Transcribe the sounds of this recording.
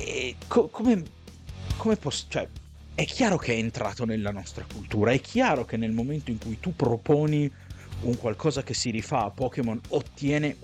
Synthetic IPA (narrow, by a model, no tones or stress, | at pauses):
ɛkʰokʰome | kʰomepɔst͡ʃoɛ | ɛkʰːjaːɾok̟eɛːnt̪ɾʔa̰ːt̪onelːanɔst̪ɾakult̪uːɾaɛkʰːjaːɾok̟enːelmoment̪oiŋkujt̪upːɾopoːni | uŋkwalkɔːzak̟esːiɾifaːpːɔːkemonot̪ːjɛːne